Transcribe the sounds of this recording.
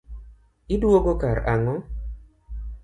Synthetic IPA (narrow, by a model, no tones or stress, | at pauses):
idwoɡokaɾʔaŋɔ